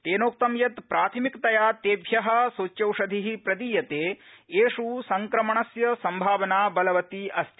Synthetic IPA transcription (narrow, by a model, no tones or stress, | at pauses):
t̪eːnoːk̚t̪ɐmjɐt̪pɾaːt̪ʰimikt̪ɐjaːt̪eːbʱjɐɦɐ̆sot͡ʃːɐwʂɐd̪ʱiɦipɾɐd̪iːjɐt̪eːeːʂusɐŋkɾɐmɐɳɐsjɐsɐmbʱaːʋɐnaːbɐlɐʋɐt̪iɐst̪i